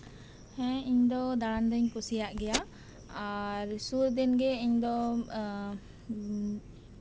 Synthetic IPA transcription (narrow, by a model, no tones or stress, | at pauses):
hɛ̃iɲd̪ɔd̪aɽand̪əɲkusijaʔɡɛja | aɾsuɾd̪inɡɛiɲd̪ɔ